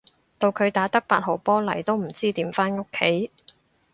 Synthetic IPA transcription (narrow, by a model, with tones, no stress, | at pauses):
t̪o˨˧wkʰɵ˨˧ɥt̪aː˨˥t̪ɐ˥k̚paː˧t̚ho˨wpɔː˥lɐ˨˩jt̪o˥wm̩˨˩t͡siː˥t̪iː˨˥mfaː˥nŋo˥kʰːe˨˥j